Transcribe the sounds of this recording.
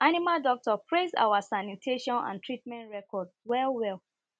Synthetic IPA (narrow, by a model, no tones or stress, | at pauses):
animaldɔk̚tɔpʰɹeza̰wasanitʰeʃɔ̃nã̰ntʰɹit̚mɛ̃ntɹɛkʰɔdwɛlwɛl